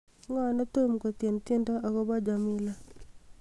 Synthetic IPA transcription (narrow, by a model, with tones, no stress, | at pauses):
ŋɔ˦nɔ˦t̪o˦mko˨t̪je˨nt̪je˦ndo˦ʔa˨ko˦bɔ˦d͡ʒa˨mɪ˦la˦